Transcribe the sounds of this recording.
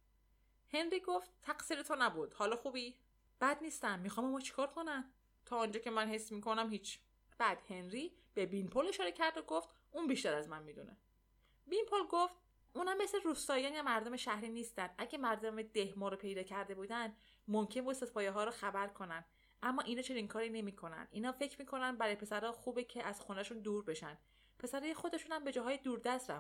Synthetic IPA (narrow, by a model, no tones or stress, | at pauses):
he̞nɾiːɡoft̪̚tʰːæɡsiɾet̪ʰonæbud̪̥hɒːlɒːxuːbi | b̥æd̪niːst̪æmmixɒːmemɒːt͡ʃʰi̥kʰɒːɾkʰo̞næn | t̪ʰɒːɔnd͡ʒɒːce̞mænhe̞sːmiːkʰonæmhiːt͡ʃʰ | b̥æd̪̥henɾiː | b̥ebinpʰole̞ʃɒːɾe̞cʰæɾd̪oɡo̞ft̪ | uːnbiʃt̪æɾæzmænmiːd̪ṵːnʔḛ | binpʰolɡoft̪̚ | uːnhæmːesleɾust̪ɒːjæncemæɾd̪ome̞ʃæhɾiːniːst̪ænd̪ʔæɟʲemæɾd̪omed̪e̞hmɒːɾopʰe̞jd̪ɒːcʰæɾd̪e̞buːd̪ænd̪ | momcʰenbuːset̪pʰɒːjeɦɒːɾɔxæbæɾkʰo̞nænd̪̥ | ʔæmːɒːʔinɒːt͡ʃʰe̞niŋkʰɒːɾiːne̞miːkʰo̞næ̰nd̪ʔinhɒːfe̞cʰɾmiːkʰo̞nænbæɾɔːjepʰe̞sæɾɒːxuːbecʰeʔæz̥xonæʃund̪uːɾbe̞ʃæn | pʰe̞sæɾɒːjexo̞d̪e̞ʃunæmbe̞d͡ʒɒːɦɒːjed̪uːɾd̪æsɾæ̰m